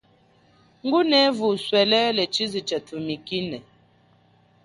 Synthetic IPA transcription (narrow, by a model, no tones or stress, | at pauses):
ŋ̩ɡunɛvuswɛlɛlɛt͡ʃizit͡ʃətʰumikinɛ